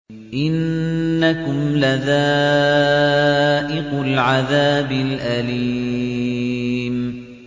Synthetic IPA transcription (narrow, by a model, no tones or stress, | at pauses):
ʔɪnːakʊmlaða | ʔɪqʊlʕaðaːbɪlʔali | m